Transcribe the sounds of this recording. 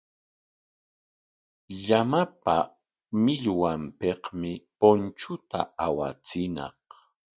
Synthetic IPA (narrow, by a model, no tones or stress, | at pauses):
ʎamapa̰ | mɪʎwampeqmɪpont͡ʃʊt̪a̰awa̰t͡sɪnɑ̰q